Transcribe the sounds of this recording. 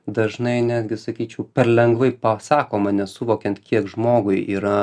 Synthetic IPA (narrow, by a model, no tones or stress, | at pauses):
d̪ɐʒnɐɪnʲæːd̪ʲɡʲɪsɐkʲiːt͡ʃʲɛʊpʲɛɾlʲɛŋɡʋɐɪpɑsɑːkoːmɐnʲɛsʊʋoːkʲɛnt̪kʲiɛkʒmoːɡʊɪiːɾɐ